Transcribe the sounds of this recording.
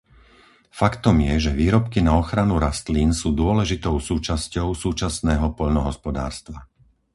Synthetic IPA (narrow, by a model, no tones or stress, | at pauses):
fakt̪ɔmjɛʒɛʋiːɾɔpkinaɔxɾanuɾast̪linsuːd̪ʊɔlɛʒit̪ɔʊsuːt͡ʃascɔʊsuːt͡ʃasnɛːɦɔpɔʎnɔɦɔspɔd̪a̰ːɾst̪ʋa